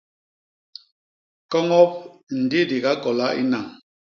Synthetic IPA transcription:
kɔ˦ŋɔ˦p̚n̩˨di˦di˨ɡa˦kɔ˨la˦ʔḭ˦na˨ŋ

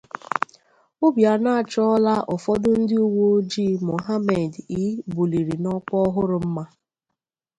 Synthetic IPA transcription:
ʊ˦bja˨na˦a˨t͡ʃɔ˦ɔ˦la˦ʔɔ˨fɔ˦dʊ˦n̩˦dɪ˦u˦wo˦o˦d͡ʒi˦mo˨ɦa˦me˨di˨˦bu˨li˨ɾi˨nɔ˦k͡pɔ˦ɔ˦ɦʊ˦ɾʊ˨m̩˦ma˦

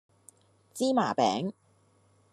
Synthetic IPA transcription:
t͡siː˥ma̰ː˨˩pɛ̰ː˨˥ŋ

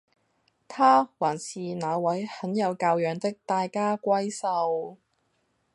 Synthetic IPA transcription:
t̪ʰaː˥waː˨˩nsiː˨˧naː˨˧wɐ˨˥jhɐ˨˥njɐ˨˧wkaː˧wjœː˨˧ŋt̪ɪ˥k̚t̪aː˧jkaː˥kʷɐ˥jsɐ˧w

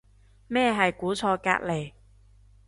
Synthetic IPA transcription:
mɛː˥˧ɦɐ˨jkuː˨˥t͡sʰɔː˧ka̰ː˧t̚le˨˩j

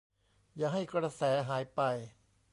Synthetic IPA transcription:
jaː˨˩ɦa˥˩jkɾa˧sɛː˩˦ɦaː˩˦jpa˧j

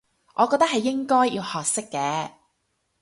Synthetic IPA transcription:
ʔɔː˨˧kɔː˧k̚t̪ɐ˥k̚hɐ˨jːɪ˥ŋkɔː˥jjiː˧whɔː˨k̚sɪ˥kːɛː˨˧

